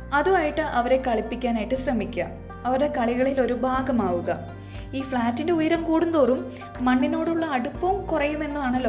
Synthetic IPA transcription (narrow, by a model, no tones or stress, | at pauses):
ɐðuaːjiʈːɨʔɐʋɐɾe̞kɐɭipːikʲːaːnaːjiʈːɨɕrɐmikʲːɐ̰ | ɐʋɐɾɽekɐɭiɣɐɭilo̞ɾubʱaːɡɐmaːʋuɣɐ | iːfɭaːtːinde̞ujɐɾɐmkuːɽund̪oːrumː | ɐɳːino̞ːɽuɭːɐːɽupːɐʋumkurɐjume̞nːumaːɳɐlːo̞